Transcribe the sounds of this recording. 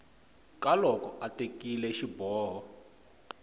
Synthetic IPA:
kalɔkɔʔatekilɛʃibɔːɦɔ

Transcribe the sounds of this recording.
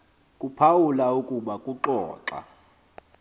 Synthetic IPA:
kʼupʰawulaukʼuɓakʼuǁɔ̰ːǁa̰

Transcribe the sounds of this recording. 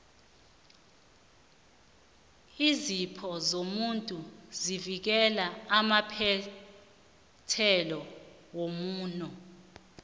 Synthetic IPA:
izipʰɔzomuntʼuzivik̬ɛlaamapʰɛ | tʰɛlɔ | womuːnɔ

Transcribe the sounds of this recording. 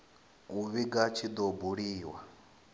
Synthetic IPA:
uβiɡat͡ʃʰid̪ɔbuɺiːwa

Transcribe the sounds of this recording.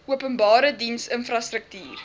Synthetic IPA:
uəpənbɑːɾədinsənfrɐstrək̚tiːr

